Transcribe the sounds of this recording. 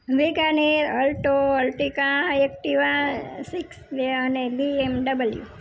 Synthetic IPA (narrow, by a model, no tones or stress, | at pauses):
ʋeɡaneɾəlʈoəlʈikãek̚ʈiʋãsiksdeənebiemɖəbəljṵ